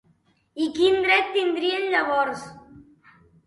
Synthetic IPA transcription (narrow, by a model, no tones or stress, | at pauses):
ikind̪ɾɛt̪ːind̪ɾienʎaβɔɾs